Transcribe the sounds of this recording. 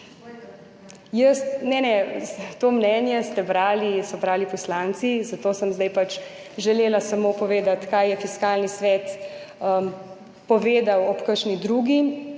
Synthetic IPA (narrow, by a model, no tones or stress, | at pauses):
jəst̪nɛnɛt̪oːmnɛːnjɛst̪ɛbɾaːlisɔbɾaːlipɔslaːnt̪sizat̪oːsəmzd̪ajpat͡ʃ | ʒɛleːlasamoːpɔʋeːd̪at̪kajjɛfiskaːlnisʋɛt̪ | ə | pɔʋeːd̪awɔpkəʃnid̪ɾuːɡi